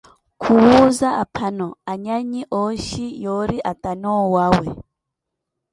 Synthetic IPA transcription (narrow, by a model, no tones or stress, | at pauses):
kʰuwuzaʔapʰanɔaɲaɲiʔɔʃijɔɾiʔatanɔwawɛ